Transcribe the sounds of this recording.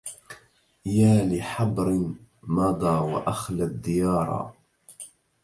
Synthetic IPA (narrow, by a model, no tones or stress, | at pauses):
jaːlɪħɑbɾɪmɑd̪ˤɑːwa̰ʔaxlad̪ːɪjɑːɾˤɑ̰